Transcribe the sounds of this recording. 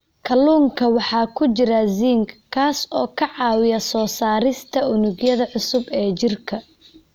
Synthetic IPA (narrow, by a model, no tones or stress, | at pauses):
kʰɐlːuːŋkʰɐwɑħɑːkʰʊt͡ʃɪɾɐziːŋkkʰːaːsɔːkʰɐʕɑːwɪjɐsɔːsaːɾɪst̪ʰɐʊnʊɡjɐðɐʕʊsʊbɛːt͡ʃɪrkʰɐ